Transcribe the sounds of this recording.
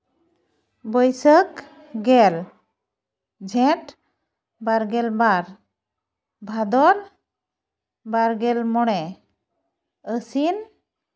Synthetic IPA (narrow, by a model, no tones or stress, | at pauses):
bəjsək | ɡɛl | d͡ʒʱɛ̃ʈ | baɾɡɛlbaɾ | bʱad̪ɔɾ | baɾɡɛlmɔɽɛ | əsin